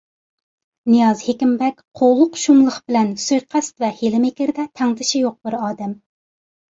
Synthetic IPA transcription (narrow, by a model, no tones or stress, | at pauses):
nɨjɑzhekʲimbɛkʲqʰolˠʊqʃumlˠəχb̥ɪlɛnsujqʰɛst̪vɛhelɪmɪkʲɪɾd̪ɛt̪ʰæŋd̪ɪʃijoq̚bɪɾɑːd̪ɛm